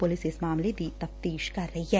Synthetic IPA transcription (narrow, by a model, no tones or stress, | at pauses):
pʊlɪsɪsmaːmled̪iːt̪ɐft̪iːʃkɐɾːɐɦiɦɛː